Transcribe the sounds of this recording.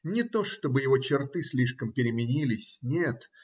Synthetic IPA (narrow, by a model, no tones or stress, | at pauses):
nʲɪt̪o̞ʂt̪o̞bɨjɪvo̞t͡ɕɪrt̪ɨsʲlʲiʂkəmpʲɪɾʲɪmʲɪnʲilʲɪsʲnʲet̪